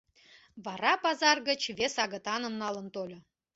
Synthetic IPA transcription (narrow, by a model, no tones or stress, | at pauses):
βɑɾɑpɑzɑrɡə̆t͡ɕβesɑɣɤ̆t̪ɑnɤ̆mnɑlə̆nt̪olʲɤ̆